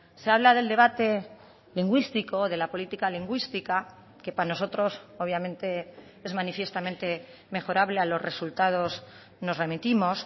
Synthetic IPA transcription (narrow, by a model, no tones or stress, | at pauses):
se̞aβlaðe̞ld̪e̞β̞at̪e̞ | liŋɡwist̪iko̞ðe̞lapo̞lit̪ikaliŋɡwist̪ika | ke̞pano̞so̞t̪ɾo̞soβjamẽ̞nt̪e̞ | e̞zmanifje̞st̪amẽ̞nt̪e̞ | me̞xo̞ɾaβlealo̞zre̞sult̪að̞o̞z | no̞zre̞mit̪imo̞s